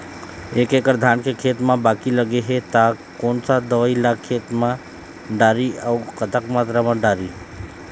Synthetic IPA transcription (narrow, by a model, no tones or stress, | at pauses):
ekekəɾd̪ʱankekʰet̪mãbakiləɡeɦet̪akonsad̪əʋəilakʰːet̪mã | ɖaɾiaukət̪əkmat̪ɾamãɖaɾi